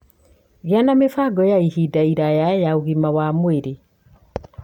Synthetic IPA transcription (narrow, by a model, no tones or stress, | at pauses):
ɣeanamefaɡɔjaihidaiɾajajaoɣimawamoeɾe